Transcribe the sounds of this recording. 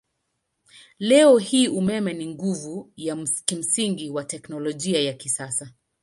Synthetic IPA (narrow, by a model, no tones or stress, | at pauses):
lɛɔhiːʔumɛmɛniŋɡuvujakim̩siŋɡiwatɛknɔlɔʄiajakisasa